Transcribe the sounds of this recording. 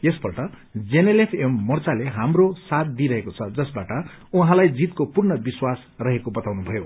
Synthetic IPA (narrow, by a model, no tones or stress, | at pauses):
jesbʌrʈʌ | d͡zenelepʰemːʌrt͡saleɦamrosat̪̚d̪iɾʌɦekot͡sʰʌd͡zʌsbaʈʌ | uɦãlajd͡zit̪̚kopurɳʌbiswas | rʌɦekobʌt̪awnubʱʌjo